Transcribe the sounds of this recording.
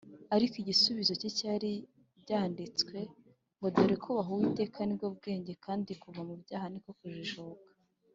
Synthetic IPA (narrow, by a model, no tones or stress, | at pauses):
aɾikiɟisuβizo̞cecaɾi | bɟaːndit͡skwe̞ | ŋɡodoɾekʰuβaɦowite̞ːkanibɡob̚ɡe̞ːɲɟe̞kʰaːndikuvamubɟaːhanikokuʒiʒokḁ